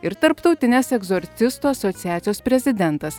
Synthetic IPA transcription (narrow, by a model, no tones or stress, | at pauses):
ɪɾt̪ɐɾpt̪ɐʊt̪ʲɪnʲɛsɛɡzɔɾʲt̪sʲɪst̪uɐsɔt̪sʲɪjæːt̪sʲɪjoːspʲɾʲɛzʲɪd̪ʲɛnt̪ɐs